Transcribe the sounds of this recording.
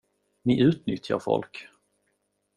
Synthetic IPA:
nɪʔʉ̟ːt̪nʏt̪ʰja̰ɾfɔ̰lk

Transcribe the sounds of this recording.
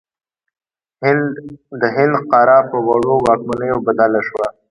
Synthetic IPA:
d̪əɦɪnd̪qɑɾɑpəwaɽowɑːk̚manəjobad̪alaʃwa

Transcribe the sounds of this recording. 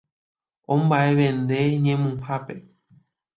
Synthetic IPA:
õmbaʔe̞ʋẽnd̪e̞ɲẽmũhape̞

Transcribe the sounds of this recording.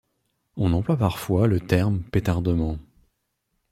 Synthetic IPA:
ɔ̃nɑ̃plwapaʁfwalət̪ɛʁmpet̪aʁd̪əmɑ̃

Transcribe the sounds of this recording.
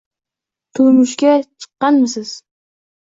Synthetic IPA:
t̪ʰʊlmʊʃkʲat͡ʃʰɨ̥qːɑnmɪsɪz̥

